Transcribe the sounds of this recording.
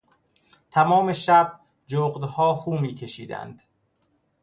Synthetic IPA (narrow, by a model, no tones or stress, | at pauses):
t̪ʰæmɒːme̞ʃæb̚ | d͡ʒoːɢd̪hɒːxuːmiːkʰe̞ʃiːd̪æ̰nd̪̥